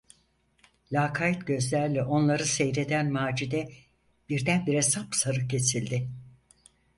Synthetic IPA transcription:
lʲaːkʰajit̪ɟø̞zlʲæɾlʲɛʔo̞nlˠaɾɯse̞jɾe̞d̪ænmaːd͡ʒid̪ɛ | b̥iɾd̪ænbiɾɛsapsaɾɯcʰe̞silʲd̪ɪ

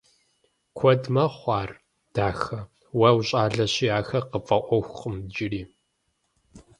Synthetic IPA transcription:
kʷʰɔdmɐχʷɑːr | d̥aːxɐ | wɐwɕʼaːɮɐɕiaːxɐqəpʼɐʔʷɔxʷχəmd͡ʒɪriː

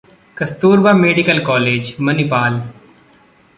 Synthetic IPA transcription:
kɐst̪uːɾbaːmeːɖɪkəlkɔːleːd͡ʒmɐnipaːl

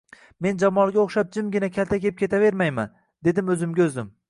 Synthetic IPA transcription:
me̞nd͡ʒamɒlˠɡʲaoχʃap̚d͡ʒɪmɡʲɪnakʲʰalt̪akʲep̚kʲʰe̞t̪ave̞ɾmajma̰n | d̪e̞d̪ɪmɵzɪmɡʲaɵzd̪ɪm

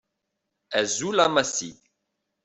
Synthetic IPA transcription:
æzulamasḭ

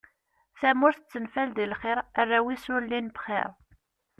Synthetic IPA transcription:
θæmʊɾθt͡sːənfæld̪ilχɪɾˤærːæwisʊɾlːinbχɪ̰ɾˤ

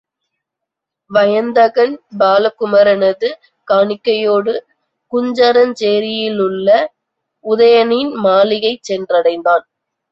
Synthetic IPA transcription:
ʋɐjɐnd̪ɐɣɐnbaːlɐkʊmɐɾɐnɐðɯ | kaːɳɪkːɐjoːɽɯ | kʊɲd͡ʒɐɾɐnt͡ʃeːɾɪjɪlʊɭːɐ | ʊðɐjɐnɪnmaːlɪɣɐɪt͡ʃːɛndrɐɽɐɪnd̪aːn

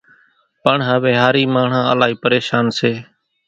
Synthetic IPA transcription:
pəɳɦaːʋeːɦaːɾiːmaːɳ̤ãːəlaːɦiːpəɾeːʃaːnseː

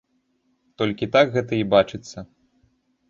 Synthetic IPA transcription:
t̪ɔlʲkʲit̪aɡɣɛt̪ɐibat͡ʂɨt̪sːɐ

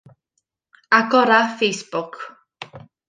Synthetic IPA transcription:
aɡɔɾafejsb̥ʊkʰ

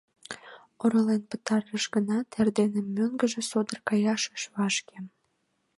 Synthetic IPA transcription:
oɾəlenpə̥̆t̪ɑrːəʃɡənɑt̪ʰærd̪enĕmːøŋɡə̆ʒĕsod̪ərkɑjɑʃə̥ʃβɑʃke

